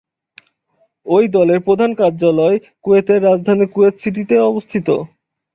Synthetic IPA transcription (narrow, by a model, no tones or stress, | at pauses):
ojd̪ɔleɾpɾod̪ʱankaɾd͡ʑalɔe | kuet̪eɾːad͡ʑd̪ʱanikuet̪sʰiʈit̪eɔbost̪ʰit̪o̰